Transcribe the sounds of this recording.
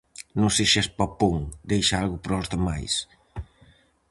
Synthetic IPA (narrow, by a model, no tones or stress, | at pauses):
nõŋseʃaspapuŋd̪ejʃaalɣʊpɾɔzðama̰js